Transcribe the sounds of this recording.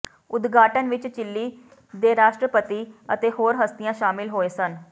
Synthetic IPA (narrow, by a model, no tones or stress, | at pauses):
ʊd̪ɡʱaːʈənʋɪt͡ʃt͡ʃɪlːiː | d̪eːɾaːʃʈɾəpət̪iːə̰t̪ehɦoːɾɦəst̪ijãːʃaːmɪlɦoːesən